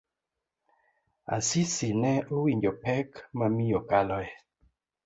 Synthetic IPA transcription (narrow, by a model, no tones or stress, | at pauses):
a̰sisinɛowiɲd͡ʒɔpɛkmamijɔkalɔɛ